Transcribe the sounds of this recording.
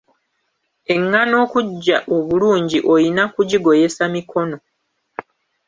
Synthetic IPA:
e̞ŋːano̞ːkuɟːaʔo̞βuluːɲɟiʔo̞jinakuɟiɡo̞je̞samikʰo̞no̞

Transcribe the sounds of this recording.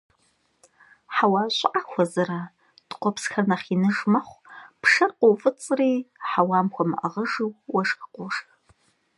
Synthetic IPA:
ħawaːɕʷʼʔaxʷɐzɐraː | d̥qʷɔpsxɐnɐχinɨʐmɐχʷpʰʂɐrqʷʼowfʼɨt͡sʼriːħawaːmxʷɐmɨʔɐ̰ʁəʐɨwwɐʂxqʷʼʊʂx

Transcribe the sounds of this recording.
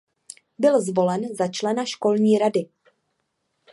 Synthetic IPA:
bɪlzvo̞lɛnzat͡ʃlɛnaʃko̞lɲiːɾadɪ

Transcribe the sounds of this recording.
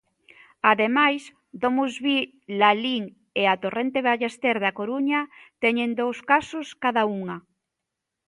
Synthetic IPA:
aðemajs | d̪omuzβi | laliŋ | eat̪orent̪eβaʎest̪eɾðakoɾuɲɐt̪ɛɲend̪owskasʊskaðauŋɐ

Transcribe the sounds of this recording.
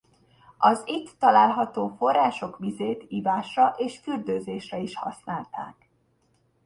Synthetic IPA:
ʔɒzit̪ːɒlaːlɦɒt̪oːfo̞rːaːʃo̞kʋizeːt̪iːvaːʃrɒʔeːʃfyrd̪øːzeːʃrɛiʃhɒ̰snaːlt̪a̰ːk

